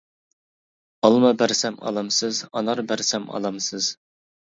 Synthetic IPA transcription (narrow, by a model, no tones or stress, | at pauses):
ɑlˠmɑbæɾsɛmɑ̰lˠɑmsɨzɑ̰nɑɾbæɾsɛmɑ̰lˠɑmsɨz̥